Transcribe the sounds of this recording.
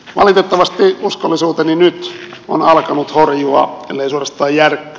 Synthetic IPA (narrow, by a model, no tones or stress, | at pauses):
ʋɑlit̪et̪ːɑʋɑst̪iuskolːisuːt̪eninyt̪onɑlkɑnut̪horjuɑ̰ḛlːeisuorɑst̪ˑɑːjjærkːø̥